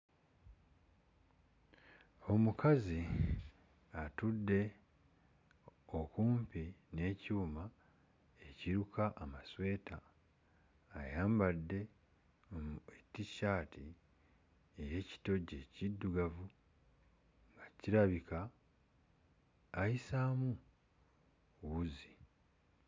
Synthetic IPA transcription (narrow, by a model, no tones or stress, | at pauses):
o̞mukʰazi | atudːe̞ | okuːmpine̞ːciuma | e̞ciɾukʰaʔːmaswe̞ːtʰa | jaːmbadːe̞ | ometːiʃaːtʰi | ejeːci̥to̞ɟe̞cidːuɡavu | ŋɡaciɾaβika | jisaːmu | wuzi̥